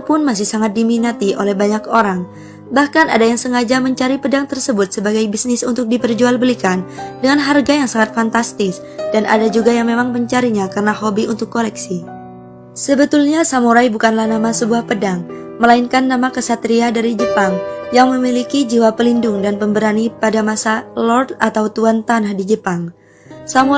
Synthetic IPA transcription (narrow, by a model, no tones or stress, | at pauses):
pʊnmas̬ɪhsaŋat̪̚diminat̪iʔolɛhbaɲakoɾaŋ | bahkana̰dajaŋsəŋad͡ʒaməɲt͡ʃaɾipədaŋt̪ərsəbʊt̪̚səbaɡajbisnɪsunt̪ʊk̚dipərd͡ʒualbəlikandəŋanɦarɡajaŋsaŋat̪̚fant̪ast̪ɪs | dana̰dad͡ʒuɡajaŋmemaŋməɲt͡ʃaɾiɲakarənaɦobiunt̪ʊkːolɛksi | səbət̪ulɲasamuɾajbukanlahnamasəbuahpədaŋ | məlainkanːamakəsat̪ɾiadaɾid͡ʒəpaŋjaŋməmilikid͡ʒiwapəlindʊŋdanpəmbəɾanipadamasalɔrdat̪awt̪uant̪anahdid͡ʒəpaŋ | samu